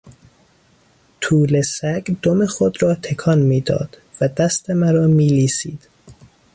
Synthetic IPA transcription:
t̪ʰuːlesæɡd̪omexod̪ɾɒːt̪ʰekʰɒnmiːd̪ɒ̰ːd̪̥ | væd̪æst̪e̞mæɾɒːmiːliːsiːd̪̥

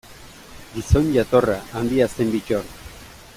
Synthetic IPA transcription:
ɡiso̞nʝat̪o̞raʔːnd̪iase̞mbit͡ʃoɾt̪

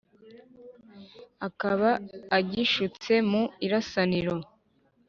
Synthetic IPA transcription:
akaβaːɟiʃut͡se̞muiɾasaniɾo̞

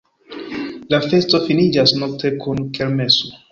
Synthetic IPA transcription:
lafe̞sto̞finid͡ʒasno̞k̚tʰe̞kʰunkelme̞so

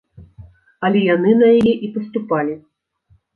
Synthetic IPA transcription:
ɐlʲɛjanɨnɐjajɛʔipɐst̪upalʲi

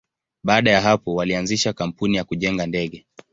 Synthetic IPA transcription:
ɓaːɗajaɦapɔwalianziʃakam̩punijakuʄɛŋɡandɛɠɛ

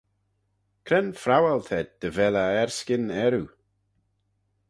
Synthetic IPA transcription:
kʰɾɛnfɾawɛlt̪ʰɛd̪̚d̪̥əvɛlaɛɹskɪnɛɾu

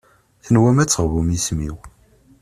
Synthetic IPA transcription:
θənwæmæt͡sːəʁvumismḭw

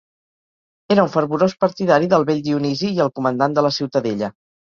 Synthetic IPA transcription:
eɾəuɱfəɾβuɾospəɾt̪iðaɾiðəlˠβeʎd̪iuniziːəlˠkumənd̪and̪ələsiwt̪əðeʎə

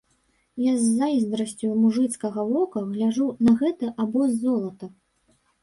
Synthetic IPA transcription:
jazʲːaizd̪ɾɐsʲt͡sʲumuʐɨt̪skɐɣɐvɔkɐɣlʲaʐunɐɣɛt̪ɐʔabɔzːɔlˠɐt̪ɐ

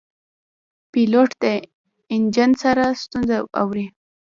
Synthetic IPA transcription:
piloʈd̪e | ɪnd͡ʒansaɾast̪unzaa̰wɾi

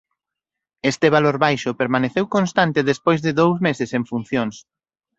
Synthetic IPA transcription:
est̪eβ̞aloɾβajʃʊpeɾmaneθewkonst̪ant̪ɪðespojzðɪðowzmesɪsẽɱfun̟θjoŋs

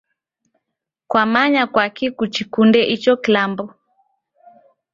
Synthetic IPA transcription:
kwamaɲakwakikut͡ʃikundɛʔit͡ʃɔkilambɔ

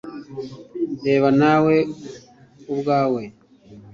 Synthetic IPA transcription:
deːβanawe̞ | ubɡaːwe̞

